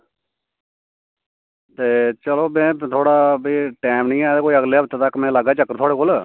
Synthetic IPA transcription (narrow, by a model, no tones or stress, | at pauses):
t̪eːt͡ʃəloːmɛ̃ːt̪ʰoːɽaːbiːʈɛːmnĩːɛ̃ːd̪eːkoːiːəɡleːɦəpt̪eːt̪əkːmɛ̃ːləɡaːt͡ʃəkːəɾt̪ʰoaːɽeːkoːl